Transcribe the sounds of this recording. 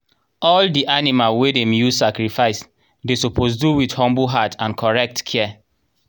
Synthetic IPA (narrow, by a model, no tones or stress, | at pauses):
ɔldiʔanimalwedemjuzsakɹifaɪs | desopʰos̬duwidhɔ̃mbuɦatãnkʰɔɹɛk̚tkʰɛ